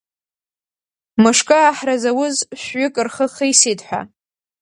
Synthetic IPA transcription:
mɨʂkʼɨaħrazawʊzʃɥʏkʼɨrχəχijsetʼħʷᶣa̰

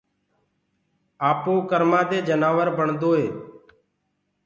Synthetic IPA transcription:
aːpõːkəɾmãːd̪eːd͡ʒənaːʋəɾbəɳd̪oːɦeː

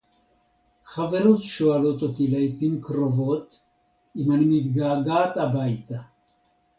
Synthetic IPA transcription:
χaveɾot̪ʃoalot̪ot̪ileet̪imkʁovot̪ | imhanimit̪ɡaːɡat̪abajt̪a

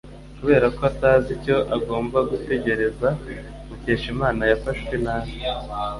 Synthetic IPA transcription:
kuβe̞ːɾakoataːzico̞ʔaɡo̞ːmbaɡute̞ɟe̞ɾe̞za | muce̞ːʃimaːnajafaʃwenaːni

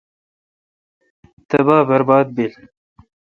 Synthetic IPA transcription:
t̪ɐbɑːbɐɾbɑːd̪̚bil

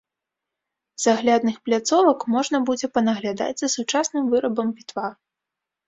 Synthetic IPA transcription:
z̥aɣlʲad̪nɨxplʲat̪sɔvɐkmɔʐnɐbud͡zʲɛpɐnɐɣlʲad̪a̰t̪sʲːɐsut͡ʂasnɨmvɨɾɐbɐmvʲit̪va

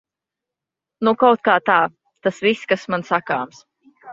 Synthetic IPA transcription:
nukawt̪̚kaːt̪aː | t̪asviskasmansakaːms

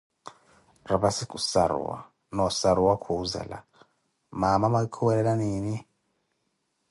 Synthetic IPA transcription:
rabasikusaɾṵwa̰ | nɔsaɾuwakʰuzɛ̰la̰ | mamamaikʰuɛlɛlaniːni

